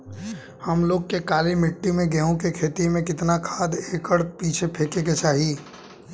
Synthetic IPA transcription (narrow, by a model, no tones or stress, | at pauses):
həmloːɡ̚kekaːlimɪʈːimẽɡɛːɦõkekʰeːt̪imẽkɪt̪nakʰaːd̪eːkəɽpiːt͡ʃʰepʰeːkeket͡ʃaːɦi